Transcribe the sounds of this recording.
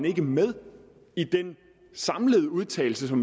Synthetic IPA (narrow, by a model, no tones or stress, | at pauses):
ne̝ɡ̥əmeð̞ˠ | id̥en | sɑ̈mləð̞ˠuð̞ˠt͡sʰɛ̰ɪl̩səsɒ̽m